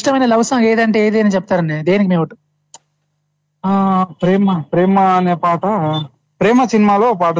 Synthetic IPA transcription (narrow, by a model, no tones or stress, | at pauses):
ʈɐmɐjnɐlɐʋsɐːleːd̪ɐɳʈe̞ːeːd̪iɐnit͡ʃɛp̚ːt̪aːɾɐɳɖed̪e̞ːnikimeːʋɐʈːu | pɾeːmɐpɾeːmɐːneːpaːʈɐ | pɾeːmɐsinimaːloːpaːʈɐ